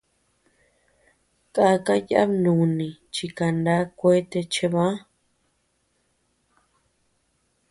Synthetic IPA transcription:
kʼa˧ka˦ja̰˦bnũ˨nĩ˨t͡ʃi˧ka˨nd̪a˦kʷe˦t̪e˧t͡ʃe˧βã˦

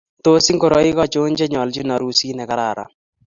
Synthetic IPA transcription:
t̪o˦si˦ŋko˨ɾɔ˦i˦kɔ˦t͡ʃo˦nd͡ʒɛ˦ɲɔ˨ld͡ʒi˦nɔ˨ɾu˨˦si˦nɛ˨ka˦ɾa˨ɾa̰˨

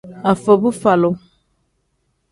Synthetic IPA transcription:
a˨fə˨bu˦fa˨lo˨

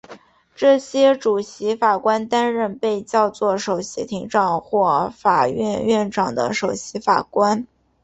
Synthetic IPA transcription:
ʈ͡ʂɤ˥˩ɕjɛ˥ʈ͡ʂu˨˩ɕi˧˥fa˨˩kwa˥nt̪a˥nɻə˥˧npe˥˧ɪt͡ɕjɑ˥˧ʊt͡swɔ˥˩ʂo˨˩ʊɕjɛ˧˥t̪ʰi˧˥ŋʈ͡ʂɑ˨˩ŋxwɔ˥˩fa˨˩ɥɛ̰˥˧nɥɛ˥˩nʈ͡ʂɑ˨˩ŋd̪ə̰˦ʂo˨˩ʊɕi˧˥fa̰˨˩kwa˥n

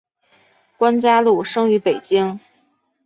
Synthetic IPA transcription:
kwa˥nt͡ɕja˥lu˥˩ʂɤ˥ŋy˧˥pe˨˩ɪt͡ɕi˥ŋ

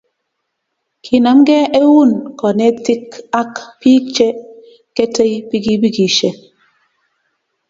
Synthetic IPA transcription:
kʰi˨na˨˦m˦ɡɛ˦e˦wu˦˨nkɔ˨ne˦ti˦ka˦kpi˦t͡ʃe˦ | ke˦te˦jpi˦ɡi˦bi˦ɡi˨ʃe˨

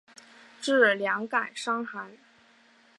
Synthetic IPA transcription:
ʈ͡ʂɻ̩˥˩˨ljɑ˧˥ŋka˨˩nʂɑ˥ŋxa˧˥ɪ

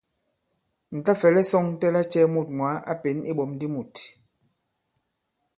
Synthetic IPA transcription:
n̩˨ta˦fɛ˨lɛ˦sɔ˦˨ŋ˦tɛ˦la˦t͡ʃɛ˦mu˦˨t̚ŋwa˨˦ʔa̰˦pe˨˦ni˦ɓɔ˨˦m˦di˦mu˨t

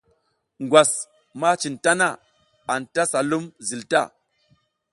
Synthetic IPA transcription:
ŋɡwa˨s | ma˦t͡ʃi˨nta˦na˦˨ | a˨nta˦sa˨lu˦mzi˨lta˦˨

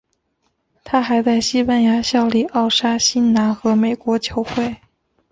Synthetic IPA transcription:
t̪ʰa˥xa˧˥ɪt͡sa˥˩ɪɕi˥pa˥˩nja˧˥ɕjɑ˥˧ʊli˥˩ʔɑ˥˩ʊʂa˥ɕi˥nna˧˥nxɤ˧˥me˨˩ɪkwɔ˧˥t͡ɕʰjo˧˥ʊxwe˥˩ɪ

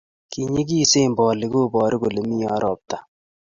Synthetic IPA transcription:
ki˨ɲe˦k̬i˦se˦˨mbɔː˨lɪ˨˦ko˦bɔː˨ɾɪ˦ko˨le˨mi˦ɔ˦ɾʔɔ˨p̚ta˨

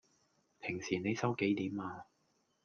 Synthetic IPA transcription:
pʰɪ˨˩ŋsiː˨˩ne˨˧jsɐ˥wke˨˥jt̪iː˨˥maː˧

